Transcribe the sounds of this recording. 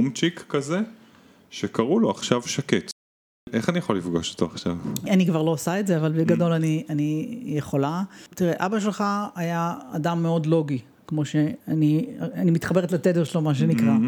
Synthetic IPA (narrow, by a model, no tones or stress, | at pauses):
umt͡ʃikːɐze | ʃekɐʁuloaχʃavʃaket | ʔeχanijaχolifɡaʃo̥t̪oaχʃavanikvaʁloosaetzeavalbeɡado̞lanianijeχo̞latiʁeʔabaʃ̬e̞lχaːjaa̰damːe̞o̞dlo̞ɡi | kmo̞ʃe̞anianimit̪χabe̞ʁet̪lat̪edeʁʃlomaʃ̬enikʁa